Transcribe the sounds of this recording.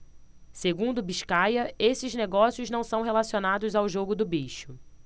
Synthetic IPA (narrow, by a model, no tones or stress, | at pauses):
seɡũnd̪ʊbiʃkajɐesɪzneɡɔsiʊznɐ̃w̃sɐ̃w̃ɦelasionad̪ʊzawʒoɡʊd̪ʊbeʃʊ